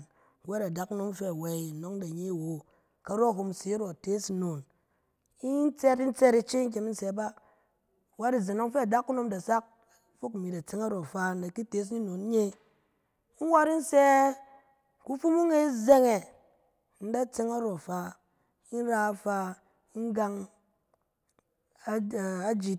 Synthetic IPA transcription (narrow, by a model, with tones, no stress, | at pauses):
wa˦ɾa˨da˦ku˦no˦mfe˦a˨we˨i˨no˨˦ŋda˨ɲe˦˨wo˨ | ka˨ɾo˦˨ɦo˧mse˨˦ɾo˨te˦sno˨n | i˦n˦t͡se˦ɾi˦n̩˦t͡se˦ɾi˦t͡ʃe˦ŋ˦k̬ʲe˨mi˦n̩˦se˧˦ba˦˨ | wa˦ɾi˦˨ze˨no˦ŋfe˦a˨da˦kːu˦no˧˦mda˨sa˦k̚fo˦kmi˨da˨t͡se˦ŋa˦ɾo˨fa˦˧n˦da˨ki˦te˦s̬i˦no˨n˦ɲe˦ | i˦wa˦ɾi˦n̩˦se˦ | ku˦fu˦mu˦ŋe˦ze˦ŋe˨ | n̩˦da˦t͡se˦ŋa˦ɾo˨fa˧ | i˦n˦ɾa˧fa˧ | i˦ŋ˦ɡa˧ŋ | a˦˨a˦d͡ʒi˨